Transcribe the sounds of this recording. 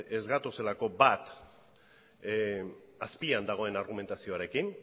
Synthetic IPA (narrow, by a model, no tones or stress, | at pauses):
e̞zɣat̪ose̞lako̞bat̪ | aspiand̪aɣ̞o̞e̞naɾɣ̞ume̞nt̪asio̞aɾe̞kin